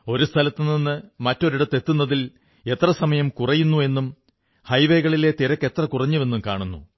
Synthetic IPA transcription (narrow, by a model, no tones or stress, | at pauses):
o̞ɾust̪ʰɐlɐt̪ːɨninːɨmɐtːo̞ɾiɽɐt̪ːe̞t̪ːunːɐðil | e̞t̪rɐsɐmɐjɐmkurɐjunːue̞nːum | hɐjʋe̞ːɣɐɭile̞t̪iɾɐkːe̞t̪rɐkurɐɲːuʋe̞nːumkaːɳunːṵ